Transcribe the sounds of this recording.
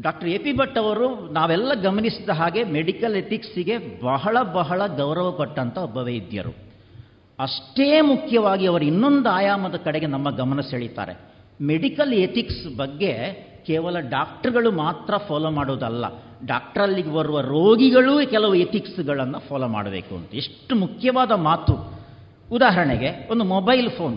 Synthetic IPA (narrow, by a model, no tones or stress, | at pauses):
ɖaːk̚ʈɐɾepibɐʈːɐʋɐɾunaːʋɛlːɐɡɐmɐnisid̪ɐɦaːɡe̞meɖikɐlet̪iksiɡe̞bɐɦɐɭɐbɐɦɐɭɐɡɐwɾɐʋɐkɐʈːɐnt̪ɐɔbɐʋejid̪jɐ̰ɾṵ | ɐʂʈeːmukʰjɐʋaːɡiɐʋɐɾuinːo̞nd̪uaːjaːmɐd̪ɐkɐɽeɡe̞nɐmːɐɡɐmɐnɐseːɭit̪a̰ːɾe̞̰ | meɽikɐlet̪iksbɐɡːe̞ | kɛːʋɐlɐɖaːk̚ʈɐɾɡɐɭumaːt̪ɾɐpʰɔːloːmaːɽuːd̪ɐlːɐ̰ | ɖaːk̚ʈɐɾɐlːiɡebɐɾuʋɐɾoːɡiɡɐɭukɛlɐʋuet̪iksɡɐɭɐnːɐpʰɔːloːma̰ːɽɐbeːkuɐ̰nt̪ɐeʂʈumukʰjɐʋaːd̪ɐmaːt̪uː | d̪aːɦɐɾɐɳeɡe̞o̞nd̪umobɐjlpʰoːn